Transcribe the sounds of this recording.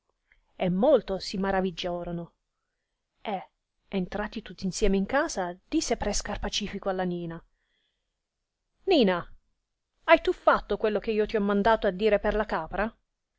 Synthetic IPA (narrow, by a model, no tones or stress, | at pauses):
emːolt̪osimaɾavid͡ʒːoːɾono | e | ent̪ɾaːt̪it̪ut̪ːinsjɛːmeiŋkaːzad̪̥isːepɾɛskarpat͡ʃiːfikoalːaniːna | niːna | ajt̪ufːat̪ːokwelːok̟eiːot̪iɔmːand̪aːt̪oad̪ːiːɾeperlakaːpɾa